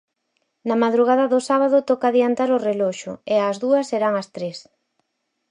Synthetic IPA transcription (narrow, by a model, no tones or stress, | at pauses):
nɐmaðɾuɣ̞aðɐðʊsaβ̞aðʊt̪ɔkaðiant̪aɾʊrelɔʃʊ̰eazðuɐsːeɾaŋɐst̪ɾes